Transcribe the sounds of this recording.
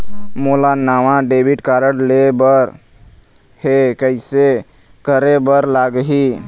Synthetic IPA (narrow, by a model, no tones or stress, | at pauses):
molanamaɖebʱiʈkaɾəɽlebəɾ | hekəɪse | kəɾebəɾlaɡɦi